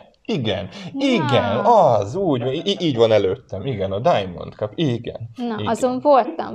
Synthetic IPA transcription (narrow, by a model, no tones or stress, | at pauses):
iɡɛ̰niɡɛnɒzuːɟʔiiːɟvɒnɛløːt̪ːɛmiɡɛnɒd̪ajmo̞̰nt̪kɒpiɡɛ̰nnɒɒzo̞ɱvolt̪ɒ̰m